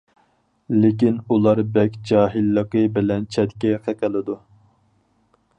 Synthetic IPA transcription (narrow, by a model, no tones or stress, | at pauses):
lɪkʲinulˠɑɾbɛkʲd͡ʒɑːɦilːəqəbɪlɛnt͡ʃʰɛt̪kʲɛqʰəqəlˠɪd̪u